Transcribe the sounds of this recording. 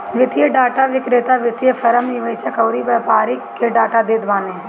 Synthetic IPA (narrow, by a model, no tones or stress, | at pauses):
ʋɪt̪ijəɖaːʈaʋɪkɾɪt̪aʋɪt̪ijəfʰɐɾəmnɪʋɐːʃɐkɐʊɾiʋɐpaːɾikːeɖaːʈad̪ɪd̪maːne